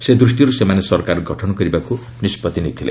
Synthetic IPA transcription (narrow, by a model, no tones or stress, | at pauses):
sed̪ɾusʈiɾusemanesɔrkaɾɡʱʌʈʰɔnkʌɾibaku | nispʌt̪init̪ʰilḛ